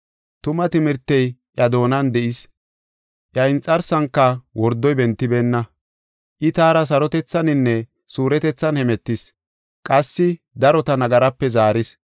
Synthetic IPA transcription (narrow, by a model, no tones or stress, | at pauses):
t̪ʊmɐt̪ɪmɪɾt̪ːɛjʔjɐd̪o̞ːnɐnd̪ɛʔɪs | ʔjɐɪnt͡sʼɐɾsɐŋkːɐwɔɾd̪ːɔjbɛnt̪ːɪbeːnːɐ | ʔɪt̪aːɾɐs̬ɐɾɔt̪ɛt͡sːɐnɪnːɛ | suːɾɛt̪ɛt͡sːɐnhɛmɛt̪ːɪs | kʼɐsːɪ | d̪ɐɾɔt̪ɐnɐɡɐɾɐpːɛzaːɾɪs